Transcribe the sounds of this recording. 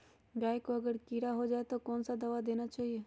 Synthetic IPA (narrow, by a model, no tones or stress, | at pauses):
ɡaːekoɐɡəɾkiːɾaɦod͡ʒaːet̪okɔːnsad̪ɐʋad̪eːnat͡ʃaːɦieː